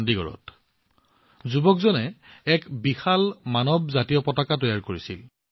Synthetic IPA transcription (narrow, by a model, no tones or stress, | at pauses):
ndiɡɔ̰ɹɔ̰t | zubɔkzɔnɛɛkbixalmanɔbzatijɔpɔtakatɔjaɹkoɹisil